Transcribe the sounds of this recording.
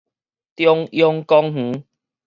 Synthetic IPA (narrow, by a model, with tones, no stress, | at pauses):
t̪jɔ˧ŋjɔ˧ŋkɔ˧ŋh̩˨˦